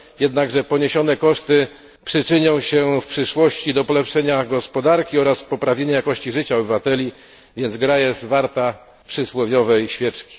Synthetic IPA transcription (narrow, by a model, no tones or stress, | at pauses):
jɛd̪naɡʐɛpɔɲeɕɔnɛkɔʂt̪ɘ | pʂɘt͡ʂɘɲɔ̃w̃ɕɛfpʂɘʂwɔɕt͡ɕid̪ɔpɔlɛpʂɛɲaɡɔspɔd̪aɾkʲiɔɾaspɔpɾavʲɲeɲɛjakɔɕt͡ɕiʐɘt͡ɕaɔbɘvat̪ɛlʲi | vʲjɛnzɡɾajɛst̪vaɾt̪a | pʂɘswɔvʲjɔvɛjɕfʲjɛt͡ʂkʲi̥